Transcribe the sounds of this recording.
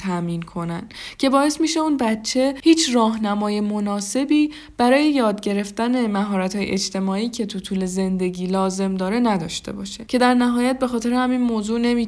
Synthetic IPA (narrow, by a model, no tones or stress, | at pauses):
t̪ʰæmiːnkʰo̞næncʰe̞bɒːe̞st̪miːʃe̞unbæt͡ʃʰːe̞hiːt͡ʃʰrɒːɦnæmɒːje̞mo̞nɒːse̞biː | b̥æɾɒːje̞jɒːd̪ɟe̞ɾe̞ft̪æne̞mæɦɒːɾæt̪hɒːjeʔed͡ʒt̪e̞mɒːiːcʰe̞t̪ʰut̪ʰuːle̞ze̞nd̪e̞ɟiːlɒːze̞md̪ɒːɾe̞næd̪ɒːʃt̪e̞̰bɒːʃe̞cʰe̞d̪æɾnæɦɒːjæt̪̚be̞xɒːt̪e̞ɾehæminmoːzuːne̞miː